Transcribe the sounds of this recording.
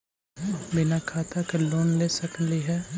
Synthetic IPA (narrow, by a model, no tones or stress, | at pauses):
bɪnakʰaːt̪akeloːnlesəkliɦɛː